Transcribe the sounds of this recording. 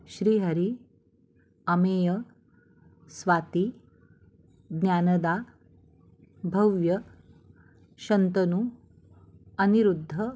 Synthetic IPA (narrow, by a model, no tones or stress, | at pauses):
ʃɾiːɦɐɾi | ɐmeːjɐ | sʋaːt̪i | ɡnjaːnɐd̪aː | bʱɐʋjɐ | ʃɐnt̪ɐnu | ɐniɾud̪ʱːɐ